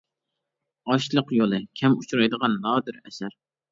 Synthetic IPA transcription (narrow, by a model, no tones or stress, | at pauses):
ɑʃlˠəqjolˠɨkʲʰɛmut͡ʃʰuɾɑjd̪əʁɑnːɑːd̪ɪɾɛsæɾ